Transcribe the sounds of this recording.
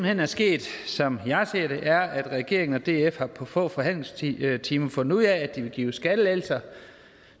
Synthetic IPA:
m̩henæɐsɡ̥e̝̰ːd̥sɒ̽mjɑ̈ɪseːɐɾ̥e̝ʔæɐæd̥ʁɛɡ̥e̝ɐeŋən̩ɒd̥e̝̰ːefhɑ̈pʰɒ̽fɔ̰̽ːfɒɦhæn̰leŋst͡sʰiːmɐfɔ̽nd̥uð̰ˠæːd̥iʋe̝ɡ̥ḭːʊsɡ̥æɾ̥əel̰sɐ

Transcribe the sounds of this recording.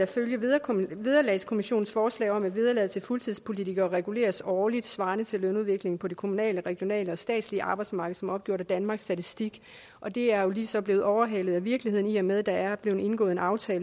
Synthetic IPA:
ɑføljəɐʋeð̞ˠɐlɛ̰ɪskʰo̝miɕo̝̰ːn̩sfɒːslɛ̰ːɪɒ̽mæʋið̞ˠɐlɛðˠt͡sʰe̝lfɔlt͡sʰiðˠspʰo̝lit͡sʰiɡ̥ɐːʁɛɡ̥ule̝̰ːɐsɒːlid̥sʋɑ̈ːnət͡sʰe̝lːønuðˠʋe̝ɡ̥le̝ŋn̩pʰɒ̽de̝kʰo̝munɛ̰ːləʁɛɡ̥jo̝nɛ̰ːləɒ̽sd̥ɛ̰ːd̥sliəʔɑ̈ːb̥ɑ̈ɪd̥smɑ̈ːɡ̥əð̩ˠsɒ̽mɒ̽b̥̚ɡ̥jo̰ɐɾ̥æd̥ænmɑ̈ːɡ̥sːd̥æt͡sʰisd̥iɡ̥ | ʔɒ̽d̥e̝æɐjo̝liːsɒ̽b̥le̝ːð̩ˠɒʊɐɦælð̩ˠæʋiɐɡ̥lihe̝ð̞̰ˠn̩iɒmeðˠd̥ɑæɐb̥le̝ʊn̩ˠe̝nɡ̥ɔ̰̽ːð̩ˠenɑ̈ʊt͡sʰɛːl

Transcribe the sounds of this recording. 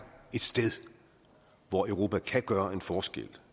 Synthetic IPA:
e̝d̥sd̥eð̞ˠ | ʋɒøʊʁo̝ːpʰækʰæɡ̥ɶːɐe̝nfɒːsɡ̥ḛl̰

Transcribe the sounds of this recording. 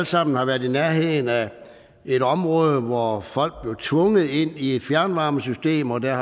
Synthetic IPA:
lsɑ̈m̰n̩hɑ̈ʋæɐðˠinæɐɦe̝ðˠn̩æ | e̝ɾɒ̽mʁɔ̽ːð̞ˠʋɒfɒ̽l̰ɡ̥̚b̥le̝ʊt͡sʰʋɔ̽ŋəð̩ˠe̝n̰ie̝d̥fjæɐnʋɑ̈ːməsysd̥e̝̰ːmɒ̽d̥æɐ

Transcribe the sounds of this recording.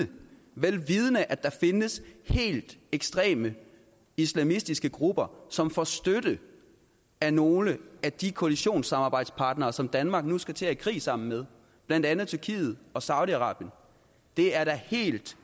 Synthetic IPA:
ə | ʋelʋið̞ˠənəʔæd̥ɑ̈fe̝nəshe̝̰ːld̥eɡ̥sd̥ʁɛ̰ːmə | islæmisd̥isɡ̥əɡ̥ʁub̥ɐsɒ̽mfɒsd̥øɾ̥ə | æno̝ːləæd̥ikʰo̝æliɕo̝̰ːnsɑ̈mɑ̈ːb̥ɑ̈ɪd̥spʰɑ̈ːd̥nɐːsɒ̽md̥ænmɑ̈ɡ̥nusɡ̥æt͡sʰe̝æikʰʁḭːsɑ̈m̰n̩með̞ˠ | b̥lænd̥ænð̩ˠt͡sʰyɐkʰḭːð̞̩ˠɒ̽sɑ̈ʊðˠiɑ̈ʁɑ̰̈ːb̥jən | d̥e̝æɐɾæhe̝̰ːld̥

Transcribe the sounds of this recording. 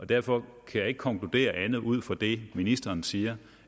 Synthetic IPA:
ʔɒ̽d̥æɐfɒ̽kʰæjɑ̈e̝ɡ̥kʰɒ̽ŋkʰlud̥e̝̰ːɐʔænð̞̩ˠuð̞̰ˠfɒd̥e̝minisd̥ɐːnsiːɐ

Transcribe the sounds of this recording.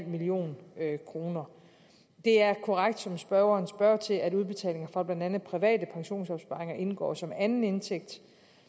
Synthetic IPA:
l̰milio̝̰ːnkʰʁo̝ːnɐ | d̥e̝æɐkʰɒʁaɡ̥̚d̥sɒ̽msb̥ɶɐʊɐːnsb̥ɶɐt͡sʰe̝læɾuð̞ˠb̥e̝t͡sʰɛ̰ːle̝ŋɐfʁɑ̈b̥lænd̥ænð̩ˠpʰʁiʋɛ̰ːd̥əpʰɑ̈ŋɕo̝̰ːnsɒ̽b̥sb̥ɑ̈ʁeŋɐʔe̝nɡ̥ɒ̰ːsɒ̽mænn̩e̝nt͡sʰeɡ̥̚d̥

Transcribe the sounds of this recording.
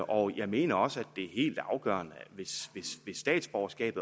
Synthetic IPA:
ʔɒ̽jɑ̈ɪme̝̰ːnɐɒ̽səæd̥ːe̝æɐhe̝̰ːld̥ɑ̈ʊɡ̥ɶ̰ːɐnəʋe̝sʋe̝sʋe̝sːd̥ɛ̰ːd̥sb̥ɒɐsɡ̥ɛ̰ːb̥ð̩ˠ

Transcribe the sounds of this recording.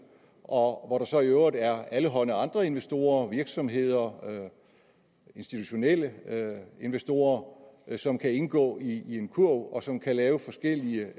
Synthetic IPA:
ʔɒ̽ʋɒɾ̥ɑ̈sɒ̽iøʊʁəd̥ˠæɐæləɦɒ̽nəɑ̈nd̥ʁɐe̝nʋesd̥o̝̰ːɐʋiɐɡ̥sɒ̽mɦe̝ð̞̰ˠɐ | e̝nsd̥it͡sʰuɕo̝nel̰ə | e̝nʋesd̥o̝̰ːɐsɒ̽mkʰæe̝nɡ̥ɔ̰̽ːiːe̝nkʰuɐ̰bɒ̽sɒ̽mkʰælɛːʊfɒ̽sɡ̥el̰iə

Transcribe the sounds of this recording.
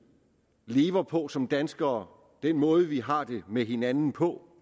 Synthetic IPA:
le̝ːʋɐpʰɒ̽sɒ̽md̥ænsɡ̥ɐː | d̥enmɔ̽ːð̞̩ˠəʋiɦɑ̈d̥e̝meɦe̝nænn̩pʰɒ̽

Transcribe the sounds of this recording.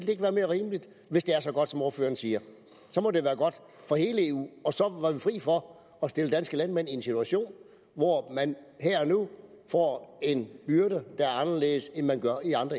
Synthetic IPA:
eld̥ee̝ɡ̥ʋæːɐme̝ːɐʁiːmlid̥ | ʋe̝sd̥e̝æɐsɒ̽ɡ̥ɒ̽d̥sɒ̽mo̝ɐfø̰ːɐn̩siːɐ | sɒ̽mɒ̽d̥e̝ʋæːɐɡ̥ɒ̽d̥ | fɒ̽he̝ːləeːṵːɒ̽sɒ̽ʋɑ̈ʋifʁḭːfɒ̽ | ɒ̽sd̥e̝ləd̥ænsɡ̥əlænmen̰ie̝nsit͡sʰuæɕo̝̰ːn | ʋɒmænhæɐɒnu | fɒ̰ːe̝nb̥yɐd̥əd̥ɑ̈æɐɑ̈nɐleːð̩ˠsenmænɡ̥ɶɐiɑ̈nd̥ʁ

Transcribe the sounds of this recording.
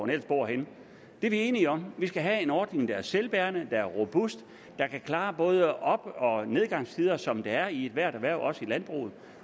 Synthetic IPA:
nel̰sb̥o̝ɐ̰ɦen | d̥e̝ɐʋie̝ːniɒ̽mʋisɡ̥æɦæe̝nɒːd̥ne̝ŋd̥ɑ̈æɐselb̥æːɐnəd̥ɑ̈æɐʁo̝b̥usd̥ː | ɑ̈kʰækʰlɑ̈ːb̥ɔ̽ːð̞ˠəɒ̽b̥ɒ̽ne̝ð̞ˠɡ̥ɑ̈ŋ̰st͡sʰið̞ˠɐsɒ̽md̥eæɐie̝d̥ʋæɐ̰ɾæʋæɐ̰ʊʔɒ̽səilænb̥ʁṵːð̩ˠ

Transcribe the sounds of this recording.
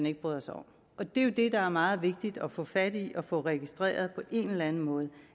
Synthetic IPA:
ne̝ɡ̥̚b̥ʁyðˠɐsɒ̽m | ʔɒ̽d̥e̝jo̝d̥e̝d̥ɑ̈æɐmɑ̈ːð̞̩ˠʋe̝ɡ̥̚d̥id̥ɒ̽fɔ̽fæd̥iʔɒ̽fɔ̽ʁɛɡ̥isd̥ʁɛ̰ːɐð̞̩ˠpʰɒ̽ʔe̝nlænn̩mɔ̽ːð̞̩ˠ

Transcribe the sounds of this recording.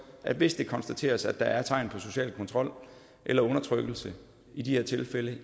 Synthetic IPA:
ʔæd̥ʋe̝sd̥e̝kʰɒ̽nsd̥æt͡sʰe̝̰ːɐsæd̥ɑ̈æɐt͡sʰɑ̈ɪ̰npʰɒ̽so̝ɕɛ̰ːlkʰɔ̽nt͡sʰʁɒ̽l̰ | ʔelɐɔ̽nɐt͡sʰʁœɡ̥l̩sə | id̥iheɐt͡sʰe̝lfelə

